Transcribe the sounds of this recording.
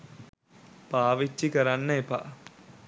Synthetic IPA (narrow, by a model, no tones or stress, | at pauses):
paːʋit͡ʃːikəɾanːəepa̰